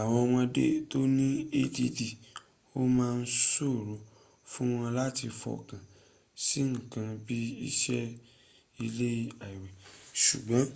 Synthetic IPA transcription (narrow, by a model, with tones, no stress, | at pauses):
a˨wɔ˧w̃ɔ̃˧dḛ˦to˦nĩ˦e˦di˧di˨ | o˦mãː˦˧n̩˦so˦˨ɾo˨˦ | fũ˦w̃ɔ̃˧la˦ti˧fɔ̰˧kã˨ | si˨˦ŋ̩˦˨kã˧bi˦i˦ʃɛ˦ | i˧le˦i˧a˨i˨wɛ˨ʃu˨ɡ͡bɔ̃˨˦